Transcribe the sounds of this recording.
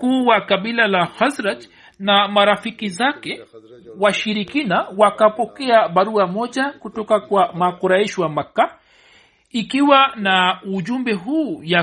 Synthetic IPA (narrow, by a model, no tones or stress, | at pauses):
kuːwakaɓilalahazɾat | namaɾafikizakɛwaʃiɾikinawakapɔkɛaɓaɾuamɔʄakutɔkakwamakɔɾaiʃiwamaka | ikiwanauʄumbɛɦuːja